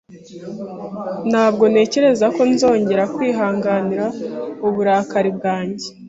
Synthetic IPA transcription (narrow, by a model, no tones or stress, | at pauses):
n̥haːb̚ɡo̞ne̞ːce̞ɾe̞zako̞nizo̞ːɲɟe̞ɾakwiːɦaːŋɡaniɾauβuɾaːkaɾib̚ɡaːɲɟe